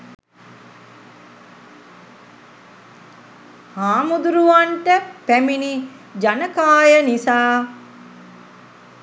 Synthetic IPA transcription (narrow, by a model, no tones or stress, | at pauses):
haːmud̪uɾuʋaɳʈəpæmini | d͡ʒanəkaːjənisaː